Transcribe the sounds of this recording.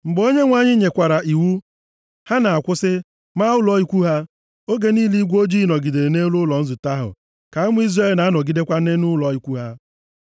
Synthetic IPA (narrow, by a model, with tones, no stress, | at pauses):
ŋ͡m̩˨ɡ͡bo˦ɲe˦ŋʷa˦ɲɪ˦ɲe˨kʷa˨ɾa˨ʔi˨wu˦ | ha˦na˨a˨kʷʊ˦sɪ˦ | ma˦ʊ˦lɔ˨˦i˦kʷu˦ɦa˦ | o˦ɡe˦niː˦li˦ɡʷo˦d͡ʒi˦˨nɔ˨ɡi˨de˨ɾe˨ne˦lʊ˦lɔ˨n̩˦zʊ˨ta˦ɦʊ̰˨ | ka˨a˦mʊ˦i˦zre˦˨lna˨a˦nɔ˨ɡi˦de˦kʷa˦ne˦nʊ˦lɔ˨i˦kʷu˦ɦa˦